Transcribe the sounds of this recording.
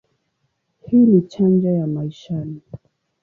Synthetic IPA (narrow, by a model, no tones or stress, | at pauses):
hiːnit͡ʃand͡ʒajamaiʃani